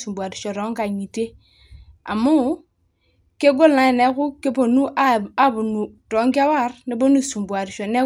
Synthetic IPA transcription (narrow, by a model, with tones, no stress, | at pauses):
su˨mbu˨a˨ɾi˨ʃo˨ɾɔ˨˦ŋka˨ɲi˨te˦ | a̰˨mu˦ | ke˦ɡo˦lna˨˦e˨ne˦ku˦ke˦po˨nu˦ʔa˦˨a˦bu˨nu˨tɔ˨˦ŋka˦wa˦ɾne˦bo˦nu˦˨su˨mbu˨a˨ɾi˨ʃo˨ne˦